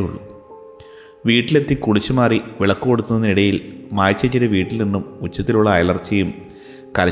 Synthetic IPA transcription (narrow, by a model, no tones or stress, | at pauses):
ṵɭːṵ | ʋiːʈːile̞t̪ːikuɽit͡ɕːumaːriʋiɭɐkːuɣo̞ɽut̪ːunːɐðiɽɐjilmaːjt͡ɕːɐt͡ɕːiɾɐʋiːʈːilninːumut͡ɕːɐt̪ːiluɭːɐːjlɐrt͡ɕːɐjum | kɐlɐ